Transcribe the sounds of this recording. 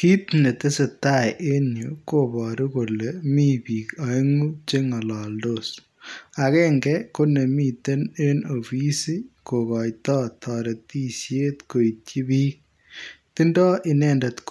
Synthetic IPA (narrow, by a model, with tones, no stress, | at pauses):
ki˦tne˨te˦se˨tajʔe˦ɲu˨ko˦bɔ˨ɾi˦ko˨lemi˦piː˨ka˨ŋu˦t͡ʃeŋɐ˨lɔ˨ldos | a˨kɛ˦ŋɡɛko˦ne˨mite˦neno˨fi˦si˦ko˨kɔ˨jtɔ˦tʰɔ˨ɾe˨ti˦sje˦t̪ko˨itji˦biː˦k̚ | ti˦ndɔ˦ʔi˦nɛndɐ˨tk